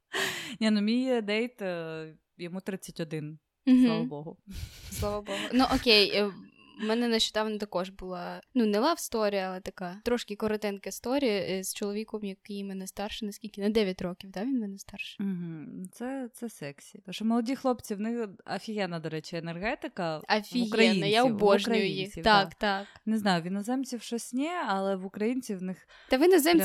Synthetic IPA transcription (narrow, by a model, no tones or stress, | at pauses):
nʲɛnʊmʲijd̪ɛjt̪ | jɔmut̪ɾɪt͡sʲːɐtʲɔd̪ɪn̩ | ɦsˠaʋɐbɔɦʊslˠaʋɐbɔɦʊnuʔɔkʲej | mɛnɛnɐʃt͡ʃʊ̥d̪ɑʋnɐt̪ɐkɔʒbʊlˠɑnunɛlˠɑwst̪ɔɾʲijɐɐlˠɛt̪ɐkat̪ɾɔʃkʲɪkɔɾɐt̪ɛnkɐst̪ɔɾʲijɐst͡ʃɔlˠɔʋʲikɔmjɐkjimɛnɛst̪ɑrʃɪnɐsʲkʲilʲkʲɪnɐd̪ɛʋʲjɐtʲɾɔkʲiwd̪aʋʲinʲmɛnɛst̪ɑrʃɪ̥m̩ɦ̩t̪sɛt̪sɛsɛksʲit̪ʃt͡ʃɔmɔlˠɔdʲixlˠɔpt͡sʲiwnɪxɐfʲijɛnɐd̪ɔɾɛt͡ʃɪɛnɛrɦɛt̪ɪkɐɐfʲijɐɛinnɐjaʊbɔʒnʊjʊjixʲit̪at̪aknɪznɑjʊʋʲinɔzɛmt͡sʲiwʃɔsʲnʲɛɐlˠɛʋʊkɾɐjint͡sʲiʋnɪx | t̪ɐʋɪnɐzɛm